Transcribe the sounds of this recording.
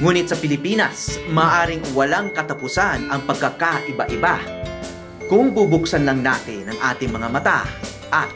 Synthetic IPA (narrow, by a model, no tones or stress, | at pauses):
ŋuːnɪt̪̚sɐpɪlɪpiːnɐsmaːʔaːɾɪŋwɐlaŋkɐt̪ɐpʊsanɐŋpɐɡ̚kːakaʔɪbaʔɪba | kʊŋbubʊksɐnlɐŋnaːt̪ɪnːɐŋʔaːt̪ɪŋmɐŋamɐt̪a̰ | ʔɐt̪̚